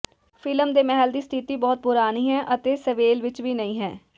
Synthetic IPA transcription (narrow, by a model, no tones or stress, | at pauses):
fʰɪləmd̪eːmɛɦəld̪iːst̪ʰit̪iːbɔːt̪̚pʊɾaːniːɦɛːʔət̪eːsəʋeːlʋɪt͡ʃʋiːnəĩːɦɛː